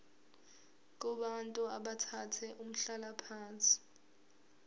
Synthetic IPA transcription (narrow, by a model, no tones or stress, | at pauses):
k̬uɓantʼuaɓatʰatʰɛʔum̩ɬalapʰaːnt͡sʼi̥